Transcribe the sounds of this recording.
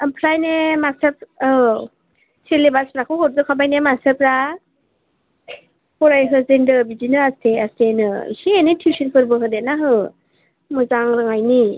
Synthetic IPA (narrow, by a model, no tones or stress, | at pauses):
ampʰlajnemasɯp̚ɯ | selebasɾakʰɯɦɔɾzɯkʰabajnemasɯpɾa | hɔɾajɦɯzendɯbizinɯastʰeastʰenɯḭsienɯtʰiwsinpʰɯɾbɯɦɯdet̚naɦɯ | mɯzaŋɾɯŋajni